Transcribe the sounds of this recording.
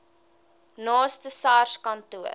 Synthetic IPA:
nɑːstəsɑrskɐntuər

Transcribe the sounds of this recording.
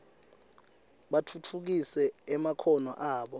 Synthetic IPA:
ɓatʰutʰuk̬isɛːmakʰɔnɔʔaːɓɔ

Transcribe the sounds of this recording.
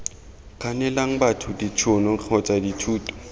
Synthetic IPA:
kʼanɛlaŋ̩batʰʊdit͡ʃʰʊnɔk͡xʰɔt͡sʼaditʰuːtʼɔ̥

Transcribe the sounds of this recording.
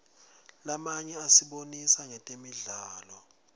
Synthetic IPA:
lamaɲɛasiɓonisaŋɛtʼemiɮaːlɔ

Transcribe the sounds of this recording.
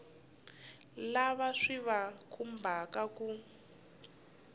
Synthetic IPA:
laβaʂiβakʰum̩bʱakaku

